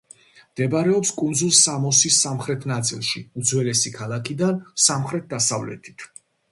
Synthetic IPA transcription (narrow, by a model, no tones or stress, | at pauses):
md̪̥ɛbaɾɛɔpskʼund̪zulˠsamɔsisːamχɾɛt̪ʰnat̪sʼilˠʃiud̪zwɛlɛsikʰalˠakʰid̪ansamχɾɛt̪̚ʰd̪asavlɛ̰t̪ʰi̥t̪ʰ